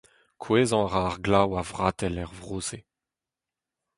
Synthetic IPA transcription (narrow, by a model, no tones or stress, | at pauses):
kʰweːzɑ̃ʁaːʁɡlawavʁaːt̪ɛlɛʁvʁoːze